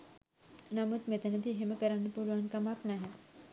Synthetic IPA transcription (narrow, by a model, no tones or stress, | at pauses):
namət̪met̪ənəd̪ʱiɦemekəɾanipuɾʋankamaknaɦe